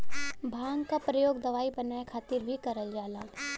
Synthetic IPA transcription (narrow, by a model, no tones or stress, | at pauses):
bʱãːŋɡkapɾɐjoːɡd̪ɐʋaːibɐnaːekʰaːt̪ɪɾbʱikɐɾəld͡ʒaːlaː